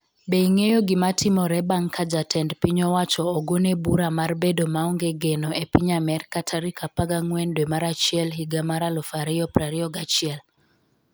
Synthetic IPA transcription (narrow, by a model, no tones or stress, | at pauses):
beiŋejoɡimatʰɪmɔɾɛbaŋkʰad͡ʒatɛndpiɲɔwat͡ʃɔːɡonebuɾamarbedomaɔŋɡeɡenɔepiɲamɛrkatʰaɾikʰapaɡaŋwɛndwɛmaɾat͡ʃɪɛlɦiɡamaɾalɔfaɾijɔpɾaɾiɔɡat͡ʃɪɛl